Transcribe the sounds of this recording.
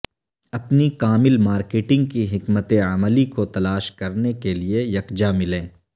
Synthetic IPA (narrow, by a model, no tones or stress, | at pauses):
ɐpnikaːmɪlmaːɾkeːʈɪ̃ŋɡ̚kiɦɪkmət̪eɐməlikot̪ɐlaːʃkɐɾnekeliejɐkd͡ʒamɪlẽː